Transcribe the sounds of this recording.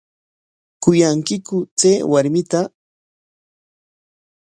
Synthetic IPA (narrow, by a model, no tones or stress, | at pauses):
kʊjaŋkɪkʊt͡seːwaɾmɪt̪a